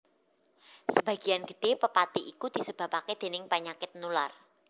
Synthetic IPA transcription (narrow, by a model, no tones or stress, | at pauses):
səb̥a̤ɡ̥ijanɡ̥ə̤ɖ̥e̤pəpat̪iʔikud̪̥i̤səb̥a̤paked̪̥e̤nɪŋpaɲakɪt̪̚nular